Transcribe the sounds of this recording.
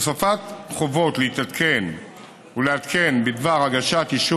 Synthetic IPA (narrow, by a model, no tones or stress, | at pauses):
safat̪χovo̞t̪leit̪at̪kʰen | uleat̪kenbid̪vaʁaɡaʃat̪iʃu